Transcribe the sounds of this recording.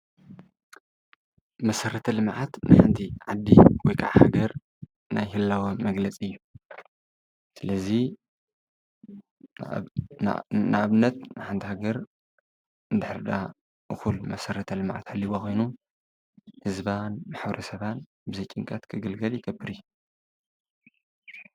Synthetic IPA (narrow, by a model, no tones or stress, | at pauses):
mɐsɐɾɐt̪ʰɐlɨmʕat̪nɨħant̪ʰiʕad̪ːiwɔjkʰa̰ʕha̰ɡɐɾ | najhɨlːawomɐɡlɐt͡sʼiɨjːu | sɨlɐzi | naʔaβɨnːɐt̪̚nɨħant̪ʰihaɡɐɾ | nd̪ɨħɾd̪a | ʔɨxulmɐsɐɾɐt̪ʰɐlɨmʕa̰t̪halːiβoxʰojnu | hɨzbanmaħbɐɾɐsɐβan | bɨzɐjt͡ʃʼiŋkʼɐt̪kʰɨɡɨlɡɐljɪkʼɐbːɨɾɨjːu